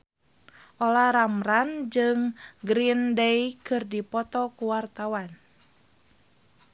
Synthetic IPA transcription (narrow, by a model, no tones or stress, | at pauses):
ʔolahɾamrand͡ʒɨŋɡɾindejkɨrdipɔt̪ɔkuwart̪awan